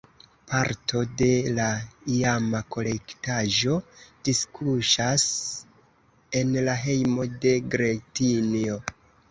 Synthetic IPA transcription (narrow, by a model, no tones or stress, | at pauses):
paɾtʰo̞de̞laiamako̞le̞ktaʒo̞d̥iskʰuʃas | e̞nlaɦe̞jmo̞de̞ɡɾetinio̞